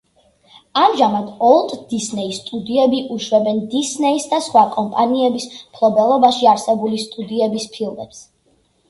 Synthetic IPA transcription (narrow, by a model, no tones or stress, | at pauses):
amʒamad̪ɔlˠt̪ʼd̪̥isnɛist̪ʼud̪iɛbiʔuʃwɛbɛnd̪isnɛisd̪asχwakʼɔmpʼaniɛbismpʰlˠɔbɛlˠɔbaʃiaɾsɛbulist̪ʼud̪iɛbispʰilˠmɛps